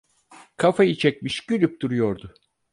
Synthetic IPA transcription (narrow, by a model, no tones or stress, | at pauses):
kʰafajɯt͡ʃʰɛc̚miʃɟ̥ylʲyp̚d̪uɾujo̞ɾd̪ʊ